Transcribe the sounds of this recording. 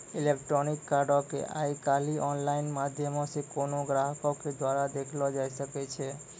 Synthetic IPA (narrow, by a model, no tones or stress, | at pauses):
ilekʈɾonikːaɾɖokḛʔa̰jkaliʔɔnlainmad̪ʱjəmoʃekonoɡɾaɦəkoked̪waɾad̪ekʰlɔd͡ʒajʃəket͡ʃʰe